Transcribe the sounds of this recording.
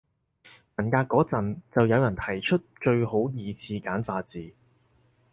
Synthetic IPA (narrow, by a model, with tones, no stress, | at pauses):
mɐ˨˩nkaː˧kːɔː˨˥t͡sɐ˨nt͡sɐ˨wjɐ˨˧wjɐ˨˩nt̪ʰɐ˨˩jt͡ʃʰɵ˥t̚t͡ʃɵ˧ɥho˨˥wjiː˨˧t͡sʰiː˧kaː˨˥nfaː˧t͡siː˨